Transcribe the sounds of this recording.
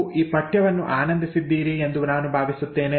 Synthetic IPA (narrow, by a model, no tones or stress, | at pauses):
iːpɐʈjɐʋɐnːṵʔaːnɐnd̪ʱisid̪ːiːɾiend̪unaːnubʱaːʋisut̪ːe̞ːne